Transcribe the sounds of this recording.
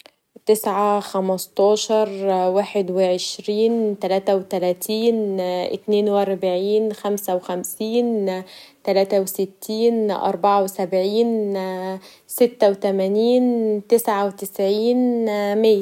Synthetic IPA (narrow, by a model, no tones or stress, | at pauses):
t̪ɪsʕaxæmɑst̪ˤɑːʃɑɾˤwaːħed̪wɪʕeʃɾiːnt̪ælæːt̪æwt̪ælæːt̪ʰiːnʔɪ̰t̪neːnwʔɑɾˤbʕiːnxæmsæwɪxæmsiːnt̪ælæːt̪æwsɪt̪ːiːnʔɑ̰ɾˤbɑʕawsæbʕiːn | sɪt̪ːæwt̪æmæniːnt̪ɪsʕawt̪ɪsʕiːnmɪjːæ